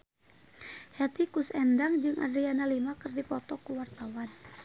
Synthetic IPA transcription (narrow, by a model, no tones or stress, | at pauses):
hɛt̪ikusɛndaŋd͡ʒɨŋʔa̰dɾianalimakɨrdipɔt̪ɔkuwart̪awan